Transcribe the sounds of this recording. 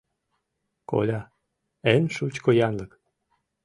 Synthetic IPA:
ko̰lʲɑ | enʃut͡ɕkojɑnlɤk

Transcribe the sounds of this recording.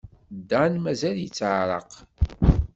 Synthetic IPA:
d̪ːænmæzæljit͡sːəʕɾˤɑ̰q

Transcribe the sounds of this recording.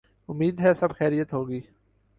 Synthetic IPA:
ʊmːiːd̪ɦɛsɐbxɛːɾijət̪ɦoːɡiː

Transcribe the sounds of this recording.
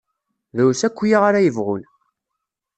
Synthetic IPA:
ðæwsækʷːjiʁaɾajəvʁʊ̰l

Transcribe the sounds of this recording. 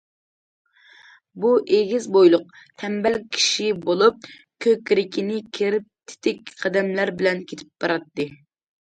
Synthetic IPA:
buʔeɡʲizbojlˠʊq̚t̪ʰɛmbɛlkʲʰi̥ʃibolˠup̚ | kʲʰøkʲɾɪkʲʰinɪkʲʰiɾɪp̚t̪ʰɪ̥t̪ʰɪkʲqʰɑd̪ɛmlæɾbɪlɛnkʲʰet̪ʰɪ̥p̚bɑɾɑt̪ːɨ

